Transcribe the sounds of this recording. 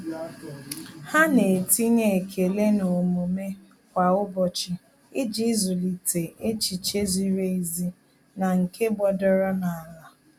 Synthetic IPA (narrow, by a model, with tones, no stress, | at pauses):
ha˦ne˨ti˦ŋe˨kʰe˨le˦no˨mu˨me˦ | kʷa˨ʊ˦bɔ˨t͡ʃi˦ | i˦d͡ʒi˦zu˨li˨tʰe˨ʔe˦t͡ʃi˨t͡ʃe˦zi˦ɾe˦i˦zi˦ | na˨ŋ̩˨kʰe˦bɔ˦dɔ˦ɾɔ˦na˨a˨la˨